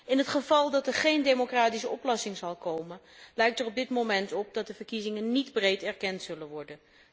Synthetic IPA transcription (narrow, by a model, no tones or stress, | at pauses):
ɪnɦətχəvɑlˠdɑtɛɹχejndejmokraːtisəɔplɑsɪŋzɑlˠkowmən | lɛjk̚tərɔb̚dɪtmowmɛntɔp̚dɑt̚dəvəɹkizɪŋənnidbrejtɛɹkɛntsɵlənʋɔɹdən